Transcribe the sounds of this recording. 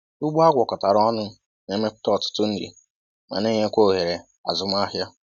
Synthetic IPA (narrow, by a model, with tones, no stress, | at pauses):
ʊ˦ɡ͡ba˦ɡʷɔ˨kɔ˨ta˨ɾɔ˦nʊ˦ | ne˦me˦kʷʊ̥˦tɔ˦˨tʊ̥˦tʊ˦n̩˦dḭ˨ | ma̰˨ne˦ɲe˦kʷo˦˨ɦe˨ɾe˨ | a̰˨zʊ˦m˦a˦ɦja˦